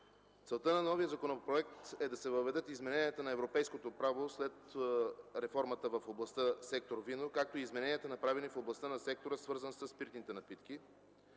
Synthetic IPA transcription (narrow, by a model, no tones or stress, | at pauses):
t̪sɛlˠt̪ənɐnɔvijəzɐkonopɾoɛk̚t̪ɛd̪ɐsɛvəvɛd̪ɤt̪izmɛnɛniət̪ənɐɛvɾopɛjskot̪opɾavoslɛt̪ | ɾɛfɔɾmət̪əvɐfoblˠɐst̪əsɛk̚t̪oɾvinokak̚t̪oizmɛnɛniət̪ənɐpɾavɛnifoblˠɐst̪ənɐsɛk̚t̪oɾəsvɤɾzənsəspiɾt̪nit̪ɛnɐpit̪k̟i